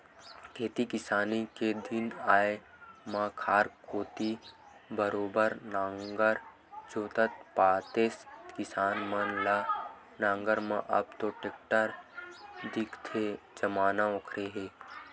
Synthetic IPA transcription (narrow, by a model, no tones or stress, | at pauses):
kʰeːt̪ikɪsaːniked̪ɪnaːe | mãːkʰaːɾkoːt̪i | bəɾoːbəɾnãːŋɡəɾ | d͡ʒoːt̪ət̪paːt̪eːst̪kɪsaːnmɐnla | nãːŋɡəɾmã̰ʔɐ̰bt̪oʈeːk̚ʈəɾ | d̪ɪkt̪ʰed͡ʒɐmaːnaokʰɾeɦeː